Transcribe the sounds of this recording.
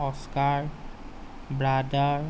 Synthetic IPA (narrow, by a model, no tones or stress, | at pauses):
ɔskaɹ | bɹada